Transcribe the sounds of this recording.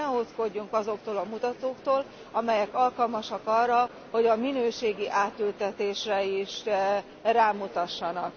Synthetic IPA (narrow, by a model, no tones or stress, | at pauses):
ɛot̪ko̞ɟːuŋkɒzo̞k̚t̪oːlɒmut̪ɒt̪oːkt̪oːl | ɒmɛjɛkɒlkɒlmɒʃɒkɒrːɒ | ho̞ɟɒminøːʃeːɡiʔaːt̪ylt̪ɛt̪eːʃrɛiʃ | raːmut̪ɒʃːɒnɒk